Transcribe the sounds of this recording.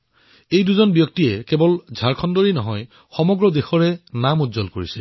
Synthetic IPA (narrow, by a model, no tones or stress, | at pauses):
ejduzɔnbjɔk̚tiɛkɛbɔlzʱaɹkʰɔndɔɹinɔɦɔj | xɔmɔɡɹɔdexɔɹɛnamutzɔlkoɹisɛ